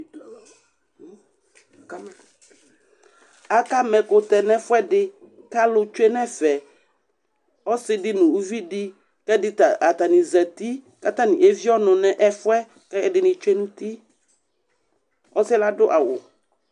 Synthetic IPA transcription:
a˦ka˦mɛ̃˨kʊ˨t̪ɛ˨nɛ̃˦fʊ˦ɛ˦dɪ˦ | ka˦lʊ˦t͡ʃu˦e˦nɛ̃˦fɛ˨ | ɔ˦sɪ˦dɪ˦nũ˨u˦vi˦di˦ | kɛ˦dɪ˦ta˨t̪a˨nĩ˨zɛ˨t̪i˦ | ka˦t̪a˦nĩ˨ʔe˦vi˦ɔ˦nʊ̃˨nɛ̃˦ʔɛ˦fʊ˦ɛ˦ | kɛ˦ɛ˦dɪ˨nɪ̃˨t͡ʃʊ˦e˦nũ˦t̪i˦ | ɔ˦sɪ˦la˦dʊ˦ʔa˨wʊ̰˨

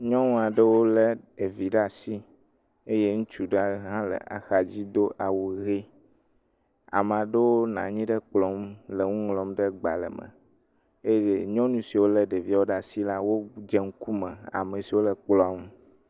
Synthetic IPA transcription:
ɲɔ̃˦nũ˦a˨ɖe˦wo˦le˦e˨vi˨ɖa˨si˦ | e˦je˦ŋũ˦t͡ʃu˨ɖa˦ɦã˦lə̰˨ʔa̰˨xa˨d͡ʑi˦d̪o˦ʔa˨wu˨ɣe˦ | a̰˨m˨a˨ɖe˦wo˦nã̰˨ɲĩ˦ɖe˦k͡plɔ˨˦mle˨ŋũ˦ŋlɔ˨mɖe˦ɡ͡ba̰˨lə̰˨mə̰̃˨ | e˦e˦˨ɲɔ̃˦nũ˦si˨wo˦le˦ɖe˨vi˦a˦wo˦ɖa˨si˦la˦wo˦d͡ʒɛ˦ŋ̩˦ku˦mɛ̃˨a̰˨mẽ˨si˨wo˦le˨k͡plɔ˨a˦ŋũ˦

